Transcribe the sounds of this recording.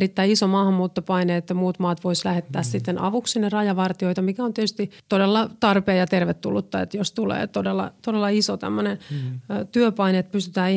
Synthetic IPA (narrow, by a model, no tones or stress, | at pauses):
ɾit̪ːæiisomɑːhɑmːuːt̪ːopɑineet̪ːæmuːt̪mɑːt̪ʋoislæhet̪ːæːssit̪ːenʔɑ̰ʋuksinerɑjɑʋɑrt̪ioit̪ɑmikæont̪iet̪yst̪it̪odelːɑt̪ɑrpeːjɑt̪erʋet̪ːṵlːut̪ːɑḛt̪jost̪ulḛːt̪odelːɑ̰t̪odelːɑisot̪æ̰mːønent̪yøpɑineːt̪̚pyst̪y̥t̪æːi